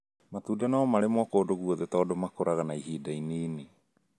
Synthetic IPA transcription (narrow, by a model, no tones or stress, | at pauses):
matudanaɔmaɾemwɔkodoɣuoðetɔːdɔmakoɾaɣanaiɦiːdainiːni